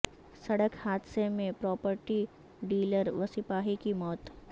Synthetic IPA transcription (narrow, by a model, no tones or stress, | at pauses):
sɐɽəkhaːd̪semẽpɾɔːpəɾʈi | ɖiːləɾʋɐsɪpaːɦikimɔːt̪